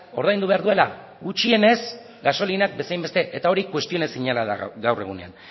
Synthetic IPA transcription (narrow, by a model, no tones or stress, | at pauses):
o̞ɾðajnd̪uβe̞aɾðue̞la | ɡut͡ʃie̞ne̞s | ɡaso̞linak̚be̞sajmbe̞st̪e̞ʔet̪ao̞ɾikwe̞st̪ione̞siɲalaða̰ɡawre̞̰ɣ̞unea̰n